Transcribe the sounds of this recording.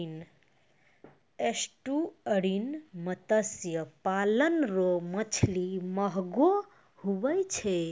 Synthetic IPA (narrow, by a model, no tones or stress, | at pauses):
n | esʈuəɽinmət̪əsjəpalənɾomət͡ʃʰliməɦɡo | hubəjt͡ʃʰe